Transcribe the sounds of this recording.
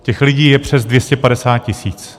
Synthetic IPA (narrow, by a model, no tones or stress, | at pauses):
cɛxlɪɟiːjɛpr̥ɛzdvjɛscɛpadɛsaːt̪̚cɪsiːt͡s